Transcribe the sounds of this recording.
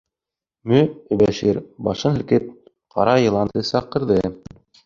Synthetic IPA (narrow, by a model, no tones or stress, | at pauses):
mɵɵ̆bæʃiɾbɑʃɤnhɘ̆lkɘp̚ | qɑ̰ɾɑjɤ̆lˠɑnt̪ɤsɑqɤ̆ɾðɤ